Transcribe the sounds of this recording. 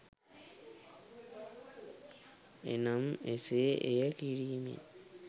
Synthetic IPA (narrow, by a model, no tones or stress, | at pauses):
ḛnameseʔejəkiɾimḛ